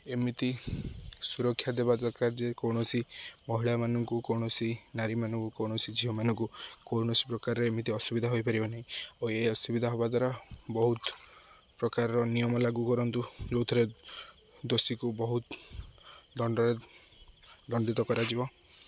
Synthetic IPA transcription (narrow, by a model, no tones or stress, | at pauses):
emit̪i | suɾɔkʰːjad̪ebad̪ɔkaɾd͡ʒekowɳ̃ɔsimɔɦiɭamanɔŋkukɔwɳ̃ɔsinaɾimanɔŋkukɔwɽ̃ɔsid͡ʒʰʱiɦɔmanɔŋkukowɳɔsi̥pɾɔkaɾɔɾeːmit̪̬iɔsubid̪ʱaɦojpaɾibɔnaɦĩoeɔsubid̪ʱaɦobat̪aɾabɔɦut̪ | pɾɔkaɾɔɾɔnijɔmɔlaɡukɔɾɔnt̪ud͡ʒowt̪ʰɔɾe | d̪osikubɔɦut̪ | d̪ɔɳɖɔɾe | d̪ɔɳɖit̪ɔkɔɾad͡ʒibɔ